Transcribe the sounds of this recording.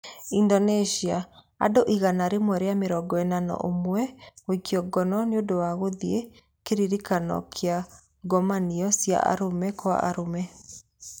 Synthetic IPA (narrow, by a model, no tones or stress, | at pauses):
indɔnɛʃia | a̰doʔiɣanaɾemwɛɾeameɾɔɡɔɛnanɔ̰ʔomwɛwikiɔɡɔnɔneodowaɣoðie | keɾiɾikanɔ̰kʰea | ɡɔmaniɔsja̰ʔa̰ɾomɛkwa̰ʔaɾomɛ